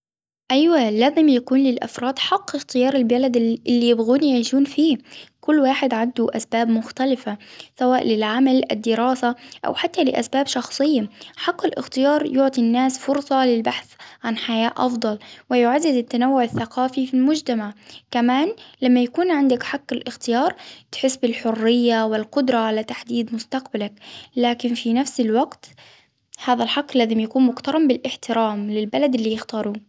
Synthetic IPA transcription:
ʔajwalaːzɪmjakuːnlɪlʔa̰fɾˤɑːd̪ħɑqːɪxt̪ɪjɑːɾˤɪlbalad̪ʔɪlːijɪbɣuːnjaʕiːʃuːnfiːkʊlːwaːħɪd̪ʕand̪uʔasbaːbmʊxt̪alɪfasawaːʔlɪlʕamalʔɪd̪ːɪɾɑːsaʔa̰wħat̪ːalɪʔa̰sbaːbʃɑxsˤɨjːaħɑqːɪlʔɪ̰xt̪ɪjɑːɾˤjʊʕt̪ˤinːaːsfʊɾsˤɑlɪlbaħθʕanħajaːʔʔɑfd̪ˤɑlwɪjʊʕazːɪzɪt̪ːanawːʊʕaθːaqɑːfifilmʊd͡ʒt̪amaʕkamaːnlamːajakuːnʕɪnd̪akħaqːɪlʔɪxt̪ɪjɑːɾˤt̪ħɪsːbɪlħʊrːɪjːawɪlqʊd̪ɾˤɑʕalat̪aħd̪iːd̪mʊst̪aqbalaklaːkɪnfinafsɪlwaɡt̪ | haːðalħaqːlːaːzɪmjakuːnmʊkt̪ɑɾˤɑmbɪlʔɪħt̪ɪɾaːmlɪlbalad̪ʔɪlːiːjɪxt̪ɑːɾˤuː

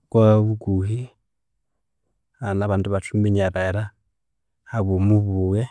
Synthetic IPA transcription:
kwaβuɡuɦi | anaβanduβatumiɲaɾaɛɾa | haβumuβuwɛ

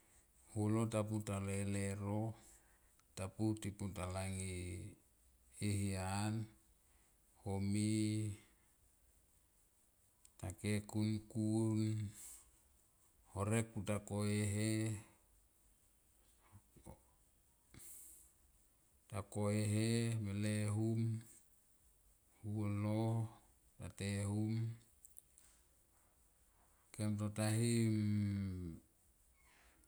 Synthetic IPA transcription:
hulotap̬utaleleɾo | taputiputalaŋi | ɦian | homi | takekunkun | hoɾek̚putakoeɦe | takoeɦemeleɦum | hulo | ta̰tehum | kemtotaɦim

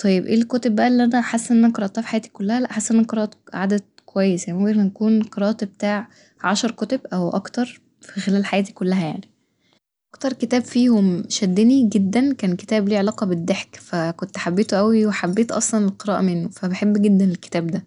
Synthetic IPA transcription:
t̪ˤʰɑjebʔeːlkʊːt̪ebːæʔælːiʔænæħasːʔenːææqɑɾˤɑʔt̪ˤɑːfi̥ħajæːt̪i̥kolːæhælæʔħasːʔnæqeɾˤɑːʔt̪ʕad̪æd̪̥̚kowæjːesjænmoæɾænækuːnqeɾˤɑːʔt̪bet̪aːʕ | ʕaʃɑɾˤkot̪ebʔæwʔɑkt̪ɑɾˤ | fixelæːlħajæːt̪i̥kolːæɦæja̰ʕni̥ | ʔɑkt̪ɑɾˤket̪æːbfiːhomʃæd̪ːeniɡed̪ːænkæːnke̥t̪æːbliːʕelɑːqɑbed̪ːeħkfækont̪ħabːeːt̪oʔæwiweħabːeːt̪ʔɑ̰sˤlɑnelqeɾˤɑ̰ːʔmenːofæbeħebːɡed̪ːænelkːe̥t̪æːbd̪æ

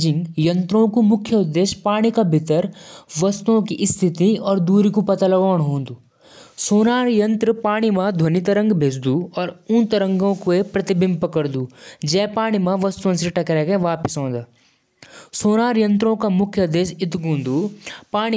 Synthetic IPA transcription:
d͡ʒɪ̃ŋɡjɐ̃nt̪ɾõkumʊkʰːjəʊd̪ːeːʃpaːɽ̃ikabʱɪt̪əɾʋɐst̪uõkiʔɪst̪ʰɪt̪iɔːɾd̪uːɾikupɐt̪alɐʋaːɳ̃ɦõːnd̪uː | soːnaːɾjə̃nt̪ɾəpaːɽ̃imãd̪ʱwɐnit̪ɐɾə̃ŋɡbʱeːd͡ʒd̪uɔːɾʊ̃nt̪ɐɾə̃ŋɡõkoepɾɐt̪ɪbɪ̃mpəkəɾd̪uːd͡ʒɛːpaːɽ̃imãʋɐst̪uõseʈɐkɾɛːkeʋaːpɪsõːnd̪aː | soːnaːɾjə̃nt̪ɾõkamʊkʰjəd̪ːeːʃɪt̪ɡõːnd̪uːpaːɽ̃i

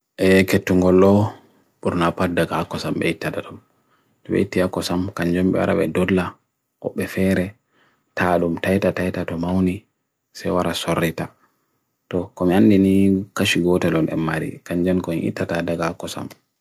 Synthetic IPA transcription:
ʔɛketːuŋɡɔlːɔ | ɓuɾnapatdaɡaakːɔsamɓɛitːataɗum | tɔɓɛ̰itːiakːɔsamkaɲd͡ʒɛmɓɛ̰wa̰ɾa̰ɓɛ̰dɔdla | ʔɔ̰ɓːɛfɛɾɛ | tʰaɗumtajtatajtatɔmawni | sɛjwaɾasɔrːita | tɔkɔmianːdinikaʃiɡɔtɛlɔnɛ̰mːaɾḭkaɲd͡ʒɛnkɔmiʔḭtːatadaɡaakːɔsa̰m

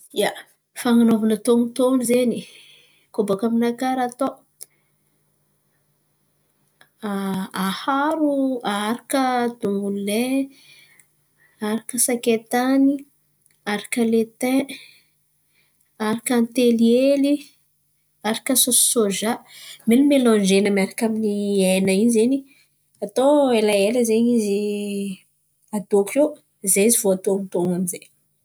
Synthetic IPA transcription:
ja | faŋanovanət̪oŋut̪oŋizeni | kobakaminakaɾat̪o | aahaɾuaɾakəd̪umule | aɾakəsaket̪ani | aɾakəlet̪ɛ̃ | aɾakant̪elieli | aɾakəsossoʒamenumelɔ̃nd͡ʒenəmiaɾakaminiajnəinizeni | at̪oelaeləzeɲizi | ad̪oke | zaizivoat̪oamit̪oŋanzej

